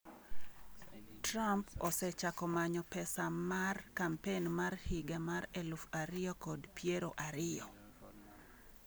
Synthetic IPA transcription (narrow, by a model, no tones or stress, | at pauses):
trampɔsɛt͡ʃakɔmaɲɔpɛsamarkampenmarhiɡamaɾɛlufaɾɪjɔkɔdpjeɾoʔaɾɪjɔ